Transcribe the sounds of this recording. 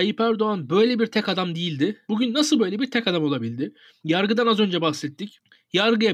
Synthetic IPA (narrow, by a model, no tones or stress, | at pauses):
ajipæɾd̪o̞anbø̞jlʲɛbiɾt̪ʰɛkad̪amd̪ijilʲd̪ɪbuɟynːasɯlˠbø̞jlʲeɛbiɾt̪ʰɛkad̪amolˠabilʲd̪ɪ | jaɾɡɯd̪anazø̞nd͡ʒɛbahsɛt̪ʰːic | jaɾɡɯja